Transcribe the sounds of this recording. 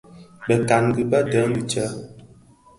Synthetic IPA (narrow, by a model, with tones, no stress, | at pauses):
bə˨ka˨ŋɡʉ˨bə˦də˨˦mi˨t͡ʃə˦